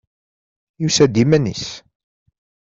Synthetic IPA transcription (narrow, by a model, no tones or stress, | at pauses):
jusæd̪imænḭs